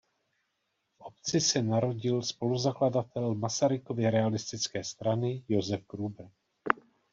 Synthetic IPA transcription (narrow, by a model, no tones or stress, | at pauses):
fʔo̞p̚t͡sɪsɛnaɾo̞ɟɪlspo̞luzakladat̪ɛlmasaɾɪko̞vɪɾɛalɪst̪ɪt͡skɛːst̪ɾanɪjozɛfkɾuːbr̩